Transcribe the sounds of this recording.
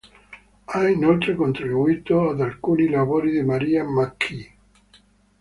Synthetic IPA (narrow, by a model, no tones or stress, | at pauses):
ainolt̪ɾekont̪ɾibuiːt̪oad̪alkuːnilaβoːɾid̪emaɾiamakʰːi